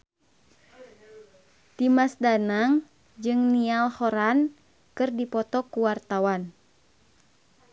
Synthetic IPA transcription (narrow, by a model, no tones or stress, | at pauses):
t̪imasdanaŋ | d͡ʒɨŋnialhɔɾan | kɨrdipɔt̪ɔkuwart̪awan